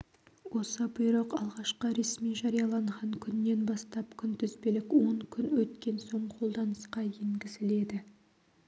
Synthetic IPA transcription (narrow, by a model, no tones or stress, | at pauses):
wo̞səbɪjɾəqɑ̰lˠʁɑʃqəɾe̞smijʒɑɾijɑlˠɑɴʁɑŋkʲʰʏnːe̞nbɑst̪ɑpkʲʰʏnt̪ʏzbelɪkwo̞ŋkʲʰʏnwɵt̪kʲe̞nso̞ɴqʰo̞lˠd̪ɑnəsqɑje̞ŋɡʲɪzɪle̞d̪ɪ